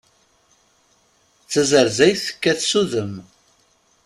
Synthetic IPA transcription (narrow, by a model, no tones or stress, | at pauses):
t͡sːəzəɾzæjθə̥kːæθsuðəm